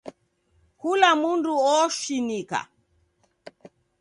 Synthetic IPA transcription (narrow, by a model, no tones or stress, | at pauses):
kulamunduɔʃinika̰